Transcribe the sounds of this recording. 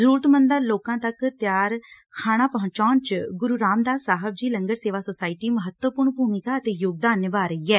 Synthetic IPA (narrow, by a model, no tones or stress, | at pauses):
zəɾuːɾət̪mənd̪aːloːkãːt̪əkt̪ɪjaːɾ | kʰaːɽ̃aːpəɦʊ̃t͡ʃaːnt͡ʃɡʊɾuːɾaːmd̪aːsaːɦəb̚d͡ʒiːləŋɡəɾseːʋaːsoːsaːɪʈiːməɦət̪wəpʊɾɳbʱuːmɪkaːət̪eːjʊɡ̚d̪aːnʋaːɾəiːɛː